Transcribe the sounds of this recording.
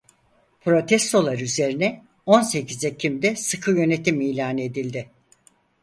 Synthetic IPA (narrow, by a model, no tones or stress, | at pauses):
pʰɾo̞t̪ʰɛst̪ʰo̞lˠaɾyze̞ɾinɛ | o̞nse̞cizɛcʰimd̪ɛsɯkʰɯjø̞ne̞t̪ʰimiːlʲaːnɯed̪ilʲd̪ɪ